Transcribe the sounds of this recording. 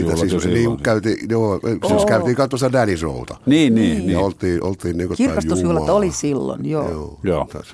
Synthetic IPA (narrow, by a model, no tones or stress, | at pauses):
it̪æsisniːmkæyt̪iːjoːsiskæyt̪iːkɑt̪uost̪ɑdæniso̰ut̪ɑniːniːjɑolt̪ˑiːʔo̰lt̪ˑiːnniːŋkotk̪irækɑsjuuhulːɑt̪olisilːo̰njo̰ːoːjoːt̪ɑ̰s